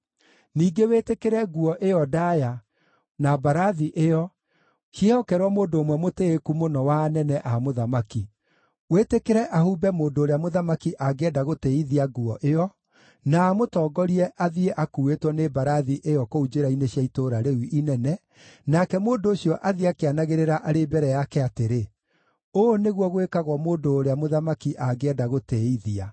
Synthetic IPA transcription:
niːɡewetekeɾɛɡuɔʔeɔdaja | nabaɾaðiʔejɔ | ɕjehɔkɛɾwɔmoːndoːmwɛmoteːkumonɔwanɛnɛʔamoðamaki | wetekeɾɛʔahuːbɛmoːndoːɾeamoðamakiʔaɡɛdaɣoteiðiaɡuɔ̰ʔeɔ | naːmotɔːɡɔɾiɛʔaðieʔakuetwɔnebaɾaðiʔejɔkoud͡ʒeɾaineɕjaitoɾaɾewiʔinɛnɛ | nakɛmoːndoːɕiɔʔaðiakeanaɣeɾeɾaʔaɾebɛɾɛjakɛateɾe | oneɣwɔɣwekaɣwɔmoːndoːɾeamoðamakiʔaɡeɛdaɣoteiðia

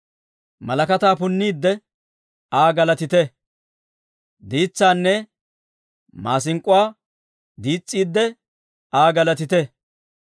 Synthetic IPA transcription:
mɐlɐkɐt̪aːpʊnːiːd̪ːɛ | aːɡɐlɐt̪ɪt̪ɛ | d̪iːt͡sːaːnːɛ | maːsɪŋkʼːʊwaː | d̪iːt͡sʼːiːd̪ːɛ | aːɡɐlɐt̪ɪt̪ɛ

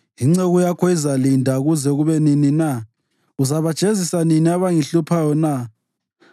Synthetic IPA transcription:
iŋ͡ǀɛɣujakʰɔizalindʱaɣuzɛɣuβɛninina | uzaβad̥ʒ̥ʱezisaniniaβaŋiɬupʰajɔna

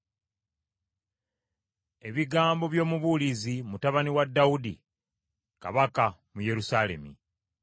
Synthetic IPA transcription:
e̞βiɡaːmbo̞βjo̞ːmuβulizimutaβaniwadːaudḭ | ka̰βakamuje̞ɾusaːle̞̰mḭ

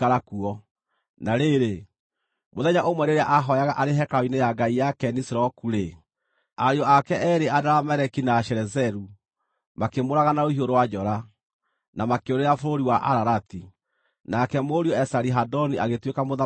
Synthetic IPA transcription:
aɾakuɔ | naɾeɾe | moðɛɲaʔomwɛɾeɾeaʔaɦɔjaɣaʔaɾeɦɛkainejaɡaijakɛnisɾɔkuɾe | aɾeɔakɛʔɛɾeʔadaɾamɛɾɛkinaʃɛɾɛzɛɾu | makemoɾaɣanaohioɾowad͡ʒɔɾa | namakeoɾeɾafoɾoɾiwaʔa̰ɾaɾati | nakɛmoɾiɔɛsaɾiɦadɔniʔaɣetwekamoða

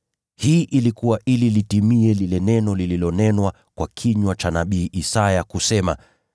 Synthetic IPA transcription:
hiːʔilikuwaʔililitimiɛlilɛnɛnɔlililɔnɛnwa | kwakʰiɲwat͡ʃanaɓiːʔisajakusɛma̰

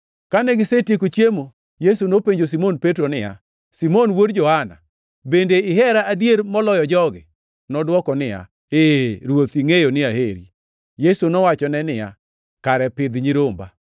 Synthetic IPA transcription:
kanɛɡɪsetjekot͡ʃjemo | jesunopeɲd͡ʒos̬imonpetɾonɪja̰ | simonwodd͡ʒɔhana̰ | bendeɪɦɛɾaadjeɾmɔlɔjɔd͡ʒɔɡɪ̰ | nɔdwɔkɔnɪja̰ | eɾwot̪iŋejonɪaheɾḭ | jesunɔwat͡ʃɔnɛnɪja̰ | kaɾɛpɪd̪ɲiɾomba̰

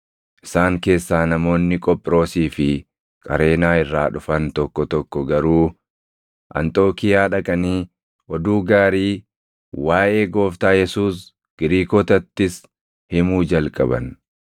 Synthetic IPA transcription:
ʔɪsaːŋke̞ːsːaːnɐmo̞ːnːɪkʼɔpʼːɾo̞ːsiːfɪ | kʼɐ̰ɾe̞ːnaːɪrːaːᶑʊfɐnt̪ɔkːɔt̪ɔkːɔɡɐɾuː | ʔɐ̰nt̪ʼo̞ːkɪjaːᶑɐkʼɐniː | ʔɔd̪uːɡaːɾiː | waːʔe̞ːɡo̞ːft̪aːjɛsuːs | ɡ̥ɪɾiːkoːt̪ɐt̪ːɪs | hɪmuːd͡ʒɐlkʼɐ̰bɐ̰n

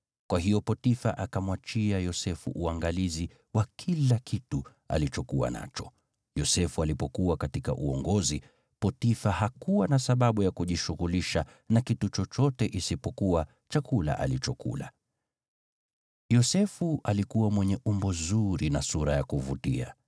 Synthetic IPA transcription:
kwaɦijɔpɔtifa̰ʔakamwat͡ʃiajɔsɛfṵʔuaŋɡalizi | wakʰilakʰitu | a̰lit͡ʃɔkuwa̰na̰t͡ʃɔ̥ | jɔsɛfualipɔkuwakatika̰ʔuɔŋɡɔzi | pɔtifahakuwanasaɓaɓujakuʄiʃuɣuliʃa | nakitut͡ʃɔt͡ʃɔtɛʔisipɔkuwa | t͡ʃakula̰ʔa̰lit͡ʃɔkṵla̰ | jɔsɛfuʔalikuwamwɛɲɛʔumbɔzuɾinasuɾajakuvutia̰

